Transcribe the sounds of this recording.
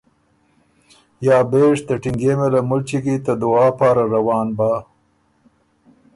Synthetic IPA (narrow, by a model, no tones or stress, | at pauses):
jɑːbeːʂt̪əʈɪŋɡemelamʊlt͡ʃiɡit̪ad̪ʊɑːpɑːɾaɾawɑːnbaː